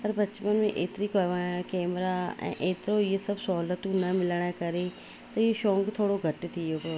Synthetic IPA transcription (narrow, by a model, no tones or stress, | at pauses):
pəɾbət͡ʃmənmḛ̃ʔeːt̪ɾiːkəʋãːkɛːmɾaːɛ̰̃ːʔeːt̪ɾoːiesəbsɔːlət̪ʊnãːmɪlɳ̃ɛ̃ːkəɾeː | t̪ɐoʃõːŋɡt̪ʰoːɽoːɡʱəʈːt̪ʰiːokoː